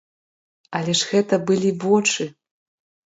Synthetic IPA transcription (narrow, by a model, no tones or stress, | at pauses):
ɐlʲɛʂɣɛt̪ɐbɨlʲivɔt͡ʂɨ